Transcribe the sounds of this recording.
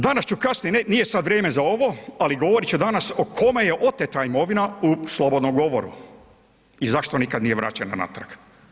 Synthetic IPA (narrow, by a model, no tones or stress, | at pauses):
d̪anast͡ʃukasnijenenijesad̪ʋɾjeːme̞zao̞ʋo̞aliɡo̞ʋoɾit͡ʃud̪anasokʰo̞me̞jeʔo̞t̪et̪aimo̞ʋinauslˠobod̪nomɡo̞ʋo̞ɾṵ | izaʃt̪o̞nikad̪nije̞ʋɾa̰t͡ɕana̰na̰t̪ɾa̰k